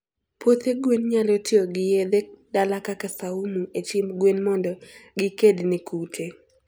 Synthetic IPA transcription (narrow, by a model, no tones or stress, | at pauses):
pʰot̪eɡwenɲalotɪoɡɪjed̪edalakakasaumuet͡ʃɪmɡwenmɔndɔɡɪkednɪkʰutʰe